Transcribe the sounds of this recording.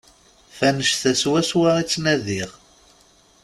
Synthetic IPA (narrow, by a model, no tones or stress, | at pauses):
fænəʃθæswæswaʁit͡sːnæðiʁ